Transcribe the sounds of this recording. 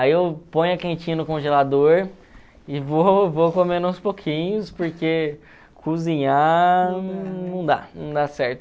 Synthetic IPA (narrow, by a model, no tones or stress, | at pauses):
aiewpõj̃ɐkẽt͡ʃĩɲɐnʊkõʒelad̪oɾ | ɪvovokomẽd̪ũspokʰĩɲʊspoɾke | kʰuzĩɲã | nɐ̃w̃d̪a̰nɐ̃w̃d̪asɛɾt̪ʊ